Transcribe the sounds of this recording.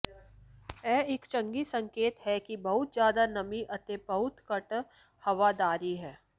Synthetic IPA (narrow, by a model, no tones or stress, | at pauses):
ɛːɪkt͡ʃɐ̃ŋɡisɐ̃ŋkeːt̪ɦɛkibɐɦʊt̪zjaːd̪anɐmiʔɐt̪epɐɦʊt̪kɐʈ | hɐʋad̪aːɾiɦɛː